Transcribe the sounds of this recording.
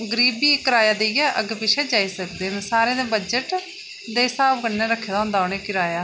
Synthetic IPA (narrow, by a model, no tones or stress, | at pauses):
ɡəɾiːbiːkəɾaːjaːd̪eːijɛːʔəɡpɪʃɛːd͡ʒaːiːsəkd̪eːnsaːɾẽːd̪ẽːbəd͡ʒəʈ | d̪eːsaːb̚ɡənːẽːɾəkʰːeːd̪aːɦʊ̃nd̪aːoːneːkɪɾaːjaː